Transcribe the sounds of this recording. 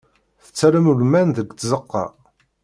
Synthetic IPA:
θə̥t͡sːæɾəmulmænðəɡʷt̪zəqːɑ̰

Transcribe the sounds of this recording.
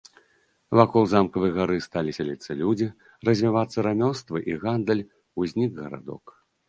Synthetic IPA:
vakɔlˠzamkɐvɨjɐɣaɾɨst̪alʲisʲalʲit̪sɐlʲud͡zʲi | rɐzʲvʲivat̪sːɐɾamʲɔst̪vɨʔiɣand̪ɐlʲ | uzʲnʲiɡɣɐɾa̰d̪ɔ̰k

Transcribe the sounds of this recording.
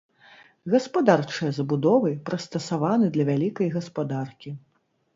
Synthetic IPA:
ɣɐspad̪art͡ʂɨjɐzɐbud̪ɔvɨpɾɐst̪ɐsavanɨd̪lʲɐvʲalʲikɐjɣɐspad̪arkʲi

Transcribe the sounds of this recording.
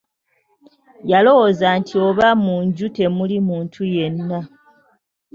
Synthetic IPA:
jalo̞wozaːntʰio̞βamuɲɟute̞mulimuːntʰuje̞nːa

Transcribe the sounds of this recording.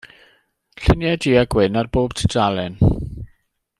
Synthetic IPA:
ɬɪnjadiːaɡwɪnarboːb̥tʰə̥dalɛn

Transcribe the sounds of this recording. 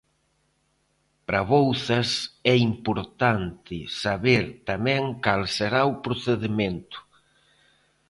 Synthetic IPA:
pɾɐβowθɐsɛimpoɾt̪ant̪ɪsaβeɾt̪amɛ̃ŋkalseɾaʊpɾoθeðement̪ʊ̥

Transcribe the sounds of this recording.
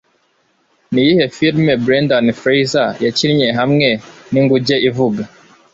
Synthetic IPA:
nijihɛfiɾmɛbɾɛndanifɾɛjzajat͡ʃiɾɲɛɦamŋɛniŋɡud͡ʒɛʔivuɡa

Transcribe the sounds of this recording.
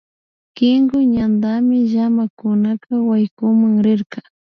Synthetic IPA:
kɪŋɡʊɲand̪amɪʒamakʊnakawajkʊmaŋɾɪɾkɑ

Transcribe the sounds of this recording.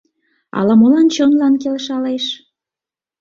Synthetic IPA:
ɑ̰lɑmolɑnt͡ɕonlɑnkelʃɑleʃ

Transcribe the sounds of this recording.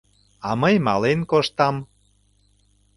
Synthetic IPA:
ɑməjmɑlenkoʃt̪ɑm

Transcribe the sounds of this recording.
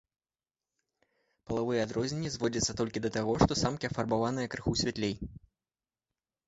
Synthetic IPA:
pɐlˠavɨjɛad̪ɾɔzʲnʲɛnʲːizvɔd͡zʲɐt̪sːɐt̪ɔlʲkʲid̪ɐt̪aɣɔʂt̪ɔsamkʲiɐfɐrbavanɨjɐkɾɨxusʲvʲat̪lʲej

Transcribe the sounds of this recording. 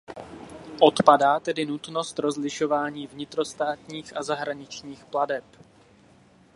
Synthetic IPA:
ʔo̞t̪padaːt̪ɛdɪnut̪no̞st̪ɾo̞zlɪʃo̞vaːɲiːvɲɪt̪ɾo̞st̪aːt̪ɲiːxʔazaɦɾaɲɪt͡ʃɲiːxpladɛp

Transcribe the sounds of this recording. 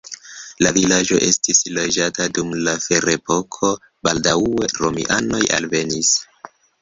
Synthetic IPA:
lavilad͡ʒo̞̰ʔe̞stislod͡ʒatadumlafeɾepo̞kʰo̞ | baldae̞ɾomḭʔanoja̰lve̞nis

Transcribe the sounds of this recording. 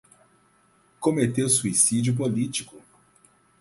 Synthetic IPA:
komet̪ewsuisid͡ʒiʊp̬olit͡ʃikʊ

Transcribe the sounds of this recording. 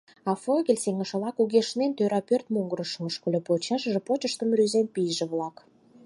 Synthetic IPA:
ɑfoɣʲelʲseŋəʃə̆βlɑkuɣeʃnent̪øɾɑpørt̪muŋɡəɾəʃəməʃkolʲepot͡ɕɑʃʒĕpot͡ɕəʃt̪ə̆mryzempijʒĕβlɑk

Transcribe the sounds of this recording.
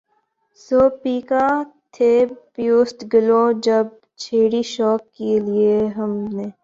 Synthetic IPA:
soːpiːkãt̪ʰeːpjoːsʈ̪ɡɪlõd͡ʒɐb̚ | t͡ʃʰeːɽiʃɔːkːelieɦɐmneː

